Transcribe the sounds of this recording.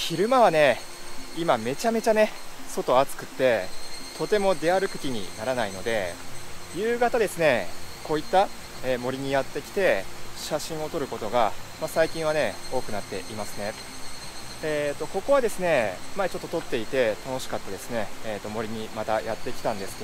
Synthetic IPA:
çiɾɯ̟maβane̞ | imame̞t͡ɕame̞t͡ɕane̞so̞t̪o̞at͡sɨ̥kɯ̟̥t̪ːe̞t̪o̞t̪e̞mo̞d̪e̞aɾɯ̟kɯ̟̥kʲiɲ̟ḭnaɾanaino̞d̪e̞ | jɯ̟ːɡat̪ad̪e̞sɨne̞ko̞ːit̪ːa | eːmo̞ɾʲiɲ̟ijat̪ːe̞kʲi̥t̪e̞ɕaɕĩɰ̃o̞t̪o̞ɾɯ̟ko̞t̪o̞ɡamasaikʲĩɰ̃β̞ane̞o̞ːkɯ̟nat̪ːe̞̰ʔimasɨ̥ne̞ | eːt̪ːo̞ko̞ko̞βad̪e̞sɨne̞maet͡ɕo̞t̪ːot̪ot̪ːe̞it̪e̞t̪ano̞ɕi̥kat̪ːad̪e̞sɨ̥ne̞eːt̪ːo̞mo̞ɾʲiɲ̟imat̪ajat̪ːe̞kʲi̥t̪ãnd̪e̞sɨ̥ke

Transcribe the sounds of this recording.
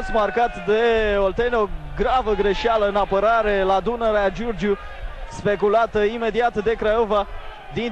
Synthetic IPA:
sʲmarkat̪d̪e̞olt̪eneoɡɾavəɡɾe̞ʃialəɨnapəɾaɾe̞lad̪unəɾead͡ʒurd͡ʒu | spe̞kulat̪əime̞d̪iat̪d̪e̞kɾajova | d̪in

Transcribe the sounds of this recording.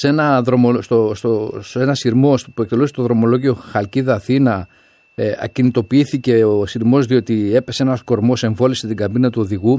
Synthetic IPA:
se̞nɐðɾo̞most̪ost̪ose̞nɐsiɾmo̞spue̞k̚t̪e̞lusi̥st̪o̞ðɾo̞mo̞lo̞ʝio̞xɐlciðɐθinɐ | ɐ̰cinit̪o̞piiθice̞osiɾmo̞zðio̞t̪ie̞pe̞seenɐsko̞ɾmo̞se̞ɱvo̞liset̪iɡɐbinɐt̪uo̞ðiɣu

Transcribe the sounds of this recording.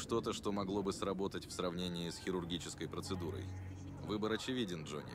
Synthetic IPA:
ʂt̪ot̪əʂt̪o̞mɐɡlˠo̞bɨsrɐbo̞t̪ətʲfsrɐvnʲenʲɪɪsxʲɪɾʊrɡʲit͡ɕɪskəjpɾət̪sɨd̪uɾə̰j | vɨbəɾɐt͡ɕɪvʲidʲɪnʐo̰nʲɪ̰

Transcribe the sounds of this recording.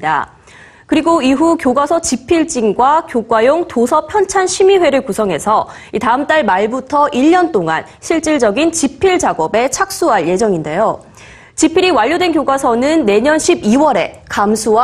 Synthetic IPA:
da̰ | kɯɾiɡoiɦukjoɡwasʰʌt͡ɕipʰiɭt͡ɕ͈iŋɡwakjoɡwajoŋtosʰʌpʰjʌnt͡ɕʰanɕʰimiwe̞ɾɯɭkusʰʌŋɦe̞sʰʌ | itaɯmt͈aɭmaɭbutʰʌʔiʎːʌnt͈oŋa̰n | ɕʰiɭt͡ɕ͈iɭd͡ʑʌɡint͡ɕipʰiɭd͡ʑaɡʌbe̞t͡ɕʰak̚s͈uɦaɭje̞d͡ʑʌŋinde̞̰jo | t͡ɕipʰiɾiwaʎːodwe̞nkjoɡwasʰʌnɯnːe̞ɲʌnɕʰibiwʌɾe̞kamsʰuwa

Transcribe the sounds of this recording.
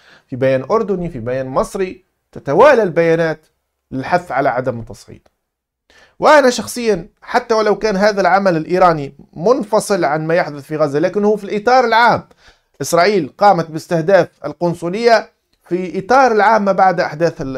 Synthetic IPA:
fibajæːnʔʊɾd̪ʊnifibajæːnmɨsˤɾi | t̪ɪt̪awaːlalbajaːnaːt̪ | lɪlħaθːʕalaʕad̪amt̪ːɑsˤʕḭːd̪ | wʔanaʃɑxsˤɨjːanħat̪ːawlawkaːnɦaːðalʕamalɪlʔiːɾɑːnimʊnfɑsˤɨlʕanmajaħd̪ʊθfiɣazːalaːkɪnhuːfilʔit̪ˤɑːɾˤɪlʕaːm | ʔɪsɾˤɑːʔiːlqɑːmat̪̚bɪst̪ɪhd̪aːfɪ̰lqʊnsˤulɪjːa | fiʔit̪ˤɑːɾˤɪlʕaːmːabaʕd̪ʔaħd̪aːθ

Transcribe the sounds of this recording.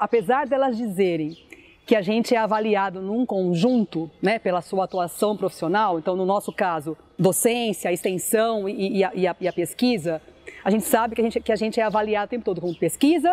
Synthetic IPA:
apezaɾd̪ɛlɐzd͡ʒizeɾẽj̃ | kɪaʒẽnt͡ʃɪɛavaliad̪ʊnũkõʒũnt̪ʊnɛpelɐsuɐat̪uasɐ̃w̃pɾofi̥sionawẽnt̪ɐ̃w̃nʊnɔsʊkazʊ | d̪osẽsjɐɪst̪ẽsɐ̃w̃ːaʔɪɐɪɐpeskizɐaʒẽnt͡ʃɪ̥sabɪkɪaʒẽnt͡ʃkɪaʒẽnt͡ʃɪɛavaliad̪ʊt̪ẽpʊt̪od̪ʊkõpeskizɐ

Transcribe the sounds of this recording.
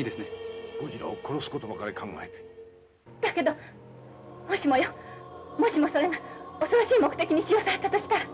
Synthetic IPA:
iːd̪e̞sɨneɡ̥o̞ʑiɾa̰oko̞ɾo̞sɨ̥ko̞t̪obakaɾekʰãŋɡa̰eɾɯ̥ | d̪̥ake̞d̪o | mo̞ɕimo̞jomo̞ɕimo̞so̞ɾe̞ŋaosoɾo̞ɕiːmo̞kɯ̟t̪e̞kʲiɲ̟iɕijo̞saɾe̞t̪at̪oɕi̥t̪aɾa

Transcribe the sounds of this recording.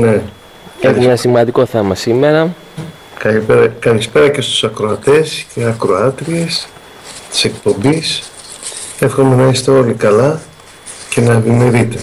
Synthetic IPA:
ne̞ | exumenɐsimɐnd̪iko̞θe̞mɐsime̞ɾɐ | kɐieɾɐkɐlispe̞ɾɐce̞st̪u̥sɐkɾo̞ɐt̪e̞sceɐkɾo̞ɐt̪ɾie̞s | t̪i̥se̞k̚po̞mbis | e̞fxo̞me̞nɐist̪e̞o̞likɐlɐ | ce̞nɐvime̞ɾit̪e̞

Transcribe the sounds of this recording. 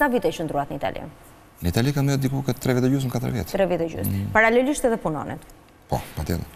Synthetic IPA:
savit̪ɛʃənd̪ɾuat̪nəit̪a̰lʔḭn | nəit̪alikamɛd̪ikukət̪ɾɛvɛt̪ɛd͡ʒusməkat̪əɾvjɛ̰t̪t̪ɾɛvit̪ɛd͡ʒṵspaɾalɛliʃt̪ɛðɛpunɔ̰nɛ̰t̪ | pɔ̰pat̪jɛ̰lˠɛ

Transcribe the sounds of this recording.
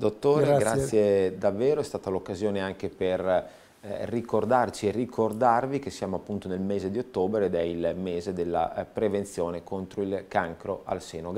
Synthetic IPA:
d̪ot̪ːoːɾɾeɡasːjed̪avːeːɾoɛst̪aːt̪alokːazjoːneaŋk̟eper | rːikord̪art͡ʃierːikʰord̪arvik̟esːjaːmoapːunt̪onelmeːzed̪iot̪ːoːbɾeːd̪ɛilmeːzed̪elːa̰pɾevent̪sjoːnekont̪ɾoilkaŋkɾoʔa̰lseːnoɡ

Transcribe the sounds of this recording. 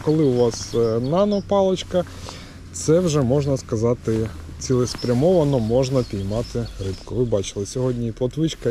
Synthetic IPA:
kɔlˠɪʊʋɑsnɑnɔpɑlˠɔt͡ʃkɐ | t̪sɛwʒɛmɔʒnɐskɐzɑt̪ɪ | t͡sʲilˠɪspɾʲɐmɔʋɐnɔmɔʒnɐpʲijmɑt̪ɪɾɪpkɔʋɪbɑt͡ʃɪ̥lˠɪsʲɔɦɔdʲnʲiip̪ˠɔt̪ʋɪt͡ʃkɐ

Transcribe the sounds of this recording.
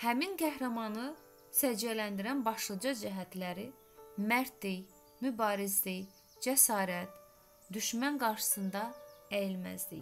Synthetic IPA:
hæmiŋɡæhɾæmɑnɯ | sæd͡ʒjælænd̪iɾænbɑʃlˠɑd͡ʒɑd͡ʒæɦæt̪ʰlæɾi | mæɾt̪ʰi | mybɑːɾizli | d͡ʒæsɑːɾæt̪ | d̪yʃmænɡɑɾʃɯ̥sɯnd̪ɑæjilmæ̰zd̪ḭ

